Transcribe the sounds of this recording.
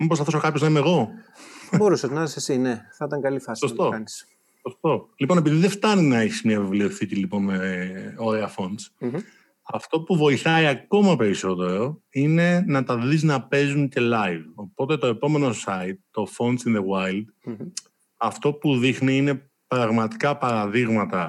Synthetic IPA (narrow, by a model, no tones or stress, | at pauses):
mibosɐθoso̞kɐpçoznɐimeɣo̞θɐbo̞ɾusɐznɐsɐsesineθɐit̪ɐŋɡɐlifɐssost̪oɐnis | sost̪o̞lipo̞ne̞piðiðeft̪ɐninɐeçi̥smiɐvevlioθit̪ilipo̞nmeo̞ɾeɐfo̞nd̪s | ɐft̪o̞puvo̞iθɐiɐko̞mɐpe̞ɾiso̞t̪e̞ɾo̞ | ine̞nɐt̪ɐðiznɐpe̞zunce̞lɐjvo̞po̞t̪e̞t̪o̞e̞po̞me̞no̞sɐit̪ːo̞fo̞nsinðewajld̪ | ɐft̪o̞puðixniine̞ | pɾɐɣmɐt̪i̥kɐpɐɾɐðiɣmɐt̪ɐ